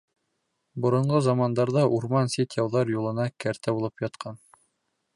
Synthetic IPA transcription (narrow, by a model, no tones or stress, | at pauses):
bŏɾɤ̆ɴɢɤzɑmɑnd̪ɑɾðɑʔuɾmɑnsit̪ʲjɑwðɑɾjulˠɤ̆nɑkæɾt̪æbulˠɤpjɑt̪qɑn